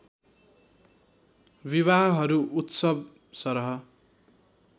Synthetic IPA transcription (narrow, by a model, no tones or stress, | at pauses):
biβaɦʌɦʌɾuʔut̪sʌb̚ | sʌɾɦʌ